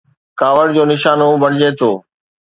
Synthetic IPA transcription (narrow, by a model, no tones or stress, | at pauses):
kaːʋəɽd͡ʑoːnɪʃaːnobɐɽ̤ɪd͡ʑeːt̪ʰoː